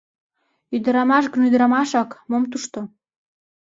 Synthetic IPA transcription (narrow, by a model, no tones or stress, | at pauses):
yd̪ə̆ɾɑmɑʃ̬ɡənyd̪ɾɑmɑʃɑkmomt̪uʃt̪o